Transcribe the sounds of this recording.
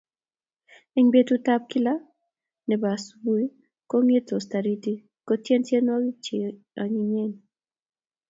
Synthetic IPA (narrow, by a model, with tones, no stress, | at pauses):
i˦ŋbe˦tu˦ta˦p̚ki˦la˦ | nɛ˨ba˨subu˦i˦ | ko˦ŋe˦to˨sta˨ɾi˦ti˦ | kɔ˦tjɛ˦ntje˦nwɔ˦ɡi˦t͡ʃe˨ | a˨ɲi˨ɲɛ˦˨n